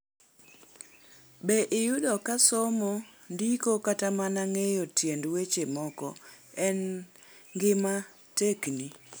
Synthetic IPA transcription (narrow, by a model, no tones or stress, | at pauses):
beʔɪjʊdɔkasɔmondikokatamanaŋejotjendwet͡ʃemɔkɔɛn | ŋɡɪma | tekni